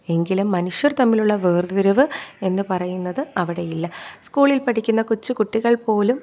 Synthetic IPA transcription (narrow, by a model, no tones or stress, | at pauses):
e̞ŋɡilumːɐnuʂjɐrt̪ɐmːiluɭːɐʋeːrðuɾɐʋɨe̞nːɨpɐrɐjunːɐðɨɐʋiɽe̞jilːɐskuːɭilpɐʈʰikʲːunːɐkut͡ɕːɨkuʈːiɣɐɭpo̞ːlum